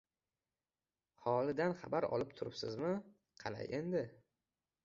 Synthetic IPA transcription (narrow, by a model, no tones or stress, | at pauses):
hɒlˠɪd̪anχɑ̰baɾɒ̰lɪpt̪ʰʊɾɪpsɪzmɪ | qʰɑla̰jʔe̞nd̪ɪ